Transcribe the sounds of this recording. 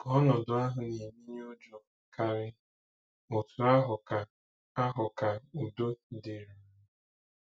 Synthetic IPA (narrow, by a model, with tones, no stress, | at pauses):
kɔ˦nɔ˨dʊ˨a˦ɦʊ˨ni˨mi˦ɲ˦o˦d͡ʒɔ˨ka˦ɾɪ˦ | o˨tʊ˨a˦ɦʊ˨a˨ | a˦ɦʊ˨ka˨u˨do˦de˨ɾi˨˦